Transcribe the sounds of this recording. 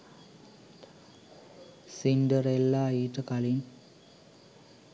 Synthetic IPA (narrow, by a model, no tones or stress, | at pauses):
sinɖəɾelːaeːʈəkalin